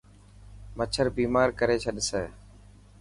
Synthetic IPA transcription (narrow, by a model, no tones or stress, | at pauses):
mət͡ʃʰəɾbiːmaːɾkəɾeːt͡ʃʰəɗɪseː